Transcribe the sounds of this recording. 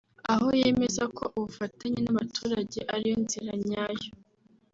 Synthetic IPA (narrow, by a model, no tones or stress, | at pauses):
aɦoje̞me̞zakʰo̞ʔuβufataɲinaβatʰuːɾaɟe̞ʔaɾijonziɾaɲaːjo